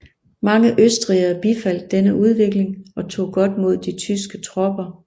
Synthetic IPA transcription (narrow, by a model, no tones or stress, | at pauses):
mɑ̈ŋəʔøsd̥ʁiɐb̥ifæl̰d̥̚ːenəʔuð̞ˠʋe̝ɡ̥le̝ŋɒ̽t͡sʰo̝̰ːɡ̥ɒ̽d̥mo̝ð̰ˠd̥it͡sʰysɡ̥ət͡sʰʁɒ̽b̥ɐ